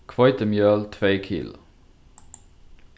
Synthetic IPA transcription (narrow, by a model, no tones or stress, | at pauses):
kʰʋɑɪt̪əmjøːlt̪ʰʋeːkʰḭːl